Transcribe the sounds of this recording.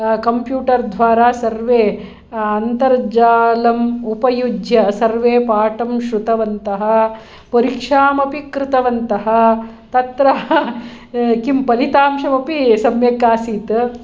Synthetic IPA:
kɐmpjuːʈɐɾd̪ʱʋaːɾaːsɐɾʋeː | ɐnt̪ɐɾd͡ʒaːlɐmupɐjud͡ʒʱjɐsɐɾʋeːpaːʈɐmʃɾut̪ɐʋɐnt̪ɐɦɐ | poɾikʂaːmɐpikɾɪt̪ɐʋɐnt̪ɐɦɐ̆ | t̪ɐt̪ɾɐɦɐ | kimpɐlit̪aːmʃɐmɐpisɐmjɐkaːsiːt̪

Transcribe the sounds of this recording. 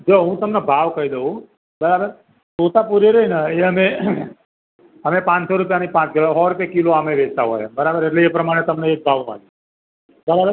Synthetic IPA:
d͡ʒoːɦũːt̪ɐmnebʱaːʋkəid̪eɦũ | bɐɾaːbəɾ | soːt̪apuɾeɾɐinaeɦəmẽ | ɦəmẽpãːt͡ʃsɔɾʊpjaniipãːt͡ʃkiloɦɔːɾʊpjakiloamẽʋeːd͡ʒt̪aɦo̰ːjḛ̃bəɾaːbəɾeʈleepɾɐmaːɽ̃et̪ɐmneeːk̚ɡaːʋ̃a̰ːli | bɐɾabəɾ

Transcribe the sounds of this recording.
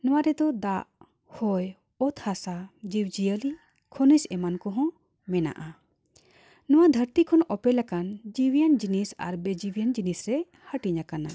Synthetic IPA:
nɔ̃waɾɛd̪ɔd̪aʔ | hɔj | ɔt̪ʰhasad͡ʒiwd͡ʒijəli | kʰɔnisɛmankɔɦɔ̃ | mɛna̰ʔa | nɔ̃wad̪ʱəɾt̪ikʰɔnɔpɛlakand͡ʒiwijənd͡ʒinisa̰ɾbɛd͡ʒiwijənd͡ʒinisɾɛ | həʈiɲakana

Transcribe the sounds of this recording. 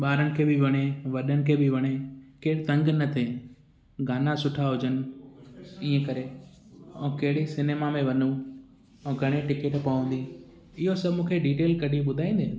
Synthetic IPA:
ɓaːɾəɽɪ̆kʰeːbɪʋɐɽ̃eʋɐɗənɪ̆kʰeːbɪʋɐɽ̃ekeːɪɽt̪ɐ̃ŋɡnɐt̪ʰe | ɡʱaːnasʊʈʰaɦʊd͡ʑənɪ̆ | iːə̃kɐɾe | ɛ̃ːkeɦɪɽesɪneːmamẽʋɐnũ | ɛ̃ːɡʱɐɽ̃eʈɪkeʈpɐʋə̃nd̪i | ɪɦosɐbmũːkʰeɖiːʈeːlkɐɗiɓʊd̪ʱaːĩːnd̪eː

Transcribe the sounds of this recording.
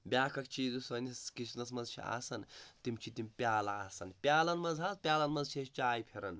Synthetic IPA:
bʲaːkʰɐkt͡ʃʰiːzusɐːniskit͡ʃʰnɐsmɐzt͡ʃʰḭa̰ːsɐnt̪imt͡ʃʰit̪imʲpʲaːlɐaːsɐnpʲjaːlɐnmɐzɦaːspʲjaːlɐnmɐnzt͡ʃʰist͡ʃaːjpʰeɾɐn

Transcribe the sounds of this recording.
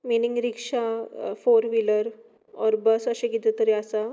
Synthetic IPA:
miniŋɡɾikʂafoɾʋiləɾ | ɔɾbəsəɕẽɡit̪ət̪əɾiasa

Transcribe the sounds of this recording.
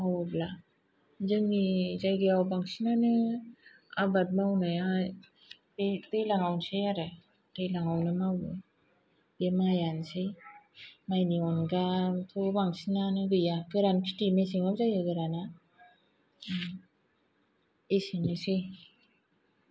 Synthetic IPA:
awabla | zɯŋizajɡɯawbaŋsinanɯ | a̰bat̚mawnaja | betɯjlaŋawnsejaɾɯ | tɯjlaŋawnɯmawnɯ | bemajansɯj | majniɔnɡatʰobaŋsinanɯɡɯjakɯɾankʰi̥timesiŋapzajɡɯɡɯɾana | esinɯsɯj

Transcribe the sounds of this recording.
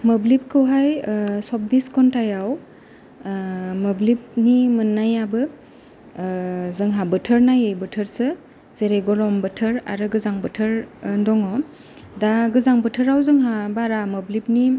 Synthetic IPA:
məblip̚kʰɯwɦajsɔp̚biskɔntajaw | məblip̚nimɯnːajabɯ | zɯŋɦabɯtʰəɾnajɯjbətʰəɾsɯ | zeɾeɡɔlɔmbɯtʰɯɾa̰ɾɯɡɯzaŋbɯtʰəɾndɔŋɔ | daɡɯzaŋbətʰəɾawzɯŋɦabaɾaməblip̚ni

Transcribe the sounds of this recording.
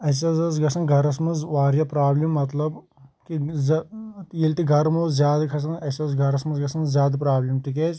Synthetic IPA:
ɐsɐzɐzɡɐsɐnɡʱɐɾɐsmɐzʋaːɾjɐpɾaːblimːɐt̪lɐb | kizjilʲt̪iɡʱɐɾmoːzʲjaːd̪ɐkʰɐs̬ɐnɐsɐzɡʱɐɾɐsmɐzɡɐsɐnzjaːd̪pɾaːblʲimʈik̬eːt͡ʃ

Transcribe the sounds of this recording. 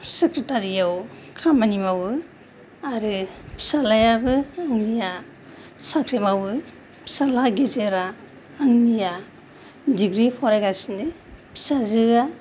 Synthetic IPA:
sekɾetaɾijaw | kʰamanimawɯ | aɾɯpʰi̥salajabɯaŋnija | sakʰɾemawɯ | pʰi̥salaɡezeɾaː | ŋnija | diɡɾipʰɔɾajɡasnɯ | pʰi̥sazɯɡa

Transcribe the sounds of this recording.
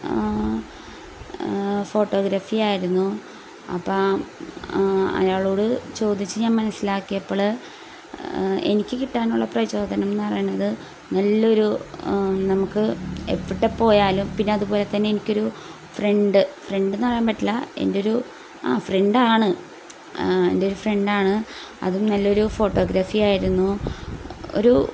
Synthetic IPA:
fo̞ːʈːo̞ːɡɾɐfijaːjiɾunːu | ɐ̰pːɐː | ɐ̰jaːɭo̞ːɽɨt͡ɕo̞ːd̪ʱit͡ɕːɨɲaːnmɐnɐsːilaːkːijɐpːoɐɭɨ | e̞̰nikʲːɨkiʈːaːnuɭːɐprɐʋiɕo̞ːd̪ʱɐnɐmenːɨpɐrɐ̰junːɐðɨ | nɐlːo̞ɾu | nɐmukːɨe̞̰pːiʈːepːo̞ːjaːlumpinːeɐðupo̞ːle̞t̪ːɐnːeenikʲːo̞ɾu | freɳɖɨfreɳɖenːɨpɐrɐjaːnmpɐʈːilːɐe̞̰ndeo̞ɾu | a̰ːfreɳɖaːɳɨ | e̞̰ndeo̞ɾufre̞ɳɖaːɳɨ | ɐ̰ðumnɐlːɐo̞ɾufo̞ʈːo̞ːɡɾɐfijaːjiɾunːu | o̰ɾu

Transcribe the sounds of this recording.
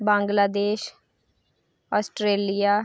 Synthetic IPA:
bãːŋɡlaːd̪eːʃ | ɔːsʈɾeːlijaː

